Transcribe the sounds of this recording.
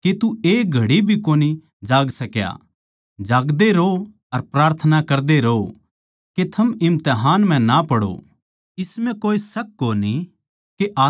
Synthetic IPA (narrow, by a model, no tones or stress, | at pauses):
ket̪ueːɡʱɐɽibʱikoːni | d͡ʒaːɡsɐkja̰ | d͡ʒaːɡd̪eɾo | ɐɾpɾaːɾt̪ʰənakɐɾd̪eɾɐo | ket̪ʰɐmɪmt̪eɦaːnm̤ɛ̃napɐɽo̰ | ɪsmɛ̃koːisɐk̚ːoːni | keʔaː